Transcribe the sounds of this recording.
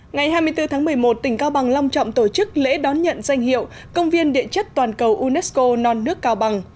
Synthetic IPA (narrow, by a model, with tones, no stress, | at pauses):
ŋa˨˩jɦaː˧jmɨ˧əjt̪ɨ˧t̪ʰa˨˦ŋmɨ˨˩əjmo˨˩t̚t̪ï˧˩ŋ̟kaː˧wɓa˨˩ŋla˧wŋ͡mt͡ɕɔ̰˧˨wŋ͡mt̪o˧˩t͡ɕɨ˦˥k̚lḛ˧˥ɗɔ˨˦nɲə̰˧˨nza˧jŋ̟hḭ˧˨əw | kə˧wŋ͡mvi˧ənɗḭ˧˨ət͡ɕə˦˥k̚t̪waː˨˩nkə˨˩wʔu˧nɛ˦˥sko˧nɔ˧nːɨ˦˥əkːaː˧wɓa˨˩ŋ